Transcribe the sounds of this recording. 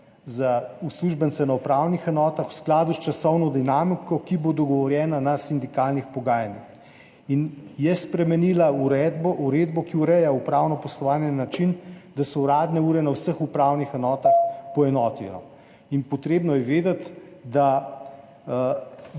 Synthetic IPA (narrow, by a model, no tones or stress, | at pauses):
zausluʒbənt̪sɛnaupɾawnixɛnɔːt̪axw̥sklaːd̪ust͡ʃasɔwnɔd̪inamikɔkibod̪ɔɡɔʋɔɾjɛːnanasind̪ikalnixpɔɡaːjanix | injɛspɾɛmɛnilauɾɛːd̪bɔʔuɾeːd̪̚bɔkiuɾɛjaupɾaːwnɔpɔslɔʋaːnjɛnːat͡ʃind̪asɔuɾaːd̪nɛuːɾɛnawsəxupɾawnixɛnɔːt̪axpɔɛnɔːt̪inɔ̰ | inpɔt̪ɾeːbnɔjɛʋeːd̪at̪d̪a